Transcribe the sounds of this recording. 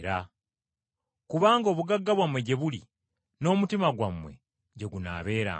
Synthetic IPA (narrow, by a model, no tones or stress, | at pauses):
ɾa | kuβaːŋɡo̞ːβuɡaɡːaβwamwe̞ɟe̞βuli | no̞ːmutimaɡwamwe̞̰ | ɟe̞ɡuna̰ːβe̞ːɾa̰